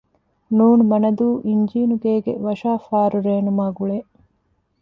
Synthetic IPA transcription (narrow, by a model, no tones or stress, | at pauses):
nuːnumɐnɐd̪uːʔiɲd͡ʒiːnuɡeːɡḛʋɐʃaːfaːɾuɾeːnumaːɡuɭe